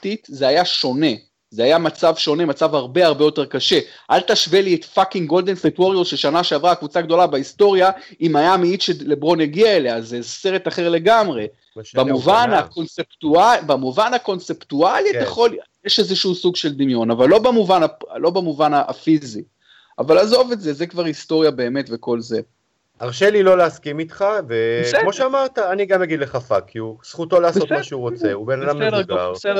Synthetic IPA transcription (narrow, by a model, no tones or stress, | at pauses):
titzeajaʃo̞ne̞ | zeajamat͡savʃo̞ne̞mat͡savhaʁbeaʁbejo̞te̞ʁkaʃe̞ʔalt̪aʃve̞liet̪fakiŋɡo̞ld̪e̞nsitwoʁolʃeʃanaʃeavʁakvut͡saɡd̪o̞labeist̪o̞ʁjaimajamiit̪ʃelebʁo̞njaɡiaeleazezse̞ʁet̪aχe̞ʁle̞ɡamʁe̞ | bamuvanako̞nseptuabamuvanhako̞nse̞ptualitaχo̞ljeʃezeʃuusuɡʃe̞ld̪imjo̞navalːo̞bamuvanalo̞bamuvanaa̰fizi | avalazo̞vetze̞zekvaʁhisto̞ʁjabe̞ːme̞tve̞ko̞lze̞ | aʁʃelilo̞leaskimit̪χavemo̞ʃeamaʁt̪aːniɡamjaɡid̪leχafakkʰːiusχut̪o̞laːsbostmaʃeuʁot͡seubenad̪amaʁsed